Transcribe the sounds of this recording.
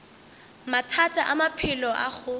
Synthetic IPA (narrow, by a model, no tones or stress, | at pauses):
matʰatʼaʔamapʰɪlɔʔa̰χʊ